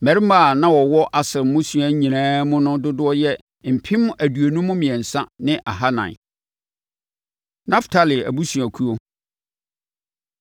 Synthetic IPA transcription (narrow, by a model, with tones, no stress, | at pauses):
mæ˨ɾɪ˦m˦a˨nã˦wɔ˨wɔ˦ʔa˨sɪ˨ɾmːʊ̃˦su˨a˨˦ɲĩ˨nãː˦mʊ̃˦nʊ̃˦dʊ˦dʊ˦ɔ˦jɛ˦ | m̩˨pʰĩ˦m˦æ˨du˨e˨nũ˦mʊ̃˦mĩ˨ɛ˨n̩˨sã˦nɪ̃˦ʔa̰˨ɦa˦nã̰˨n˨ | nã˦ftʰa˨lɪ˨æ̰˨bu˦sũ˨æ˨kʰu˦o˦